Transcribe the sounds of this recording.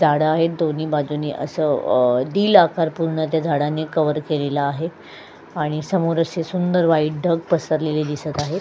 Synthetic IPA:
d͡zʱaɽəaɦet̪̚d̪oniːbad͡zuneːʔə̰səd̪iːlakaɾpuɾɳət̪̬jad͡zʱaɽanekəʋəɾkelelaːɦe | aɽ̃isəmoɾəsesund̪əɾʋaiʈ̚ɖʱəɡ̚pəsəɾleled̪isət̪aɦe

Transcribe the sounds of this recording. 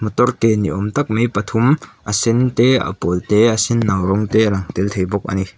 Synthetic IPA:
mut̪ɔrkeniʔɔmt̪ɐk̚mijpɐt̪ʰumʔɐsɪnt̪eɐ̰polt̪eɐsɪnːɐwɾɔŋt̪elɐŋt̪ɪlt̪ʰejbɔk̚ɐ̰ni

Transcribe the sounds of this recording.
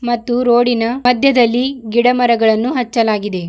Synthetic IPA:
mɐt̪ːuɾoːɽinɐmɐd̪ʱjɐd̪ɐlːiɡiɽɐmɐɾɐɡɐɭɐnːuɦɐt͡ʃːɐlaːɡid̪e̞

